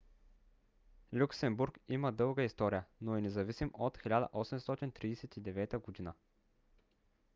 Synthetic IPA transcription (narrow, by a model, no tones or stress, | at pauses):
lʲuksɛmbuɾkiməd̪ɤlˠɡəist̪ɔɾijənoɛnɛzɐvisimot̪xilʲad̪ə̰ʔɔsɛmst̪ɔt̪int̪ɾiːsɛt̪id̪ɛvɛt̪əɡʊd̪inə